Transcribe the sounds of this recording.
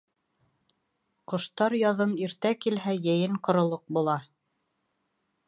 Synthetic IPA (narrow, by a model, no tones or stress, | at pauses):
qŏʃt̪ɑɾjɑðɤniɾt̪ækilɦæjæjɘɴqŏɾŏlˠɤq̚bulˠɑ